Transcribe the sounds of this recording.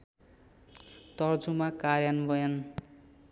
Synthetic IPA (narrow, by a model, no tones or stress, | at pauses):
t̪ʌrd͡zumakaɾjanbʌjʌn